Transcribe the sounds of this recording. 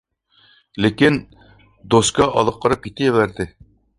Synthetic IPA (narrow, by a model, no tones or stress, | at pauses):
lɘkin | d̪oskɑʔɒlˠɤ̆qːɤ̆ɾɤp̚kit̪ɘjɘ̆βæɾd̪ɘ